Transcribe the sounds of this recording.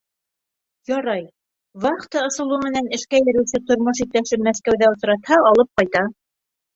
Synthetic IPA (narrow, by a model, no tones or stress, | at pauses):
jɑɾɑj | βɑqt̪ɑŏsɤ̆lˠumɘ̆nænɘ̆ʃkæjɘ̆ɾɘ̆wsɘt̪ŏɾmoʃ̬ik̚t̪æʃɘpmæθkæwðæŏsɾɑt̪hɑɑlˠɤp̚qɑjt̪ɑ